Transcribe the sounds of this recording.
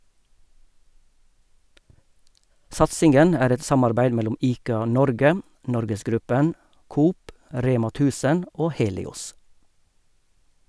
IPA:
ˈsɑtsɪŋɡən ˈæːɾ ˈɛt ˈsɑmɑɾbæɪd ˈmɛlʊm ˈiːkɑˌnɔɾɡə ˈnɔɾɡəsˌɡɾʉpən ˈkuːp ˈɾeːmɑ ˈtʉːsən ˈoː ˈheːlɪˌʊs

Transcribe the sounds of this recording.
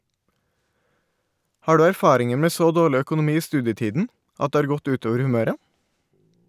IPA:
ˈhɑː ˈɖʉː æɾˈfɑːɾɪŋəɹ ˈmeː ˈsoː ˈdoːɭɪ ˌœkʊnʊˈmiː ˈiː ˈstʉːdjəˌtiːdn̩ ˈʔɑt ˈdeː ˈɑɾ ˈɡɔt ˈʉːˌtoːʋəɾ hʉˈmøːɾə

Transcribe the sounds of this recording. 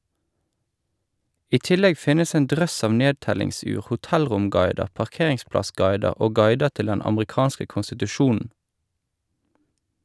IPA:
ˈiː ˈtɪlɛɡ ˈfɪnəs ˈeːn ˈdʁœs ˈɑʋ ˈneːdtɛlɪŋˌsʉːʁ hʊˈtɛlʁʊmˌɡɑɪdə pɑʁˈkeːʁɪŋˌsplɑˌsɡɑɪdəʁ ˈoː ˈɡɑɪdə ˈtɪl ˈdɛn ɑmʁɪˈkɑːnskə kʊnsɪtʉˈʃuːn̩

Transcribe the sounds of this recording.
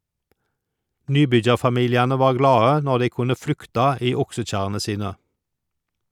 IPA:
ˈnyːˌbʏd͡ʒɑʁfɑˌmiːljɑnə ˈʋɑːʁ ˈɡlɑːə ˈnɔʁ ˈdæɪ ˈkʊnə ˈflʉktɑ ˈiː ˈʊksəˌc͡çæʁənə ˈsiːnə

